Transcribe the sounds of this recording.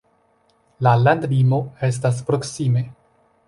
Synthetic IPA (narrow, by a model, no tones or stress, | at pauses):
lalandlimo̞e̞s̬tas̬pɾo̞ksime̞